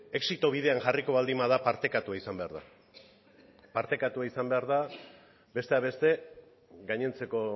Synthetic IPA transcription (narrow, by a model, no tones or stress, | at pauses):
e̞ksit̪o̞β̞ið̞e̞aŋʝariko̞βald̪imaðapaɾt̪e̞kat̪uaisambe̞aɾða | paɾt̪e̞kat̪uaisambe̞aɾð̞a | be̞st̪eaβe̞st̪e̞ | ɡaɲe̞nt͡se̞ko̞